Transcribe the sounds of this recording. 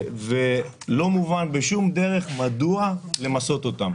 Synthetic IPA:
ve | lo̞muvanbeʃumd̪e̞ʁe̞χmad̪uale̞maso̞t̪o̞t̪am

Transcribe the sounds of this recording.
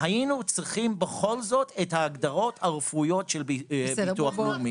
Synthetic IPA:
hajinut͡sʁiχimbe̞χo̞lzo̞tʰethaːɡd̪aʁo̞t̪haʁefujo̞tʃelbituaχlumi

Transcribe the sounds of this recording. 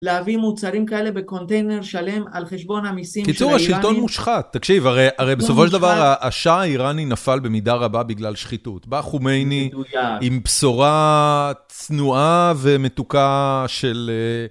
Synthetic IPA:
leavimut͡saʁimkae̞le̞be̞ko̞nt̪e̞jne̞ʁʃale̞malχeʃbo̞namisimkit͡suʁhaʃilto̞nmuʃχatːakʃivaʁejaʁejbesofoʃeld̪avaʁaʔːʃaaiʁaninafalbe̞midaʁababiɡlalʃχitutbaχumejnidujaimpsoʁa | t͡snuave̞me̞tukaʃe̞le

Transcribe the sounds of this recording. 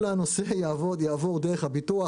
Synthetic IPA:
laanosejaːvo̞d̪jaːvo̞ʁd̪eʁeχhabit̪ua

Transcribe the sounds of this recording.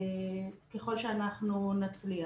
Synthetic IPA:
keχo̞lʃeanaχnunat͡slia

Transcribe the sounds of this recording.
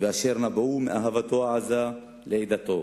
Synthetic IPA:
beaʃeʁnabaumḛʔaɦavat̪o̞aʕaza | leed̪at̪o

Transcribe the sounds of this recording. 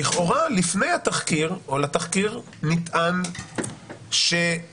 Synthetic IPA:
iχʔo̞ʁalifne̞jhat̪aχkiʁolat̪aχkiʁ | nit̪ʔan | ʃe

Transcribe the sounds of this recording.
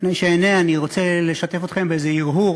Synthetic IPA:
naʃeeneaniʁot͡sele̞ʃat̪e̞fot̪χe̞mbeezeiʁɦu

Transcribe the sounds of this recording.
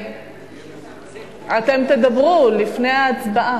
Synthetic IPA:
ʔat̪e̞mt̪e̞d̪abʁulifne̞jaːt͡sbaʔa

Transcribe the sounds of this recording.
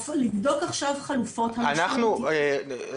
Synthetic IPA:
flivdo̞kaχʃavχalufo̞thaanaχnue

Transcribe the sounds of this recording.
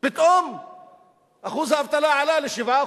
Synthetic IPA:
bɪt̪ʔom | ʔaxuːzaavt̪ˤɑlɑʕalalɪʃɪva

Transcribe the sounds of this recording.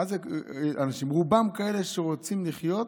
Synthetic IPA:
azeanaʃimʁubamkaeleʃeʁot͡simliχjo̞t̪

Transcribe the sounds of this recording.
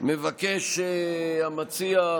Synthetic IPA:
mevakeʃ | amat͡sia

